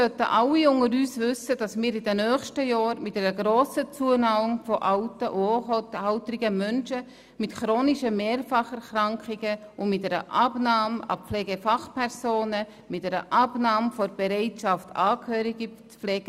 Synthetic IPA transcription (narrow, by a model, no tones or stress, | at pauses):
sœtə̰ʔɑlːiʊŋəɾyːsvʏsəd̥ɑsmiːɾidɛnœːχʃtəjɑːɾmɪtdɛɾəɡɾoːsət͡suənɑːʊŋfɔʔaʊtəʔotaʊtɾɪɡəmœnʃə | mɪtχɾoːniʃəmeːɾfɑχɛɾχɾɑŋkχɪɡəʊnmɪtdɛɾə̰ʔɑbnɑːmɑ̰pp͡flɛːɡefɑχpʰɛɾsoːnə | mɪtdɛɾə̰ʔɑbnɑːmfɔɾb̥ɛɾɛɪtʃɑftɑːkhøːɾiɡi | p͡flɛːɡ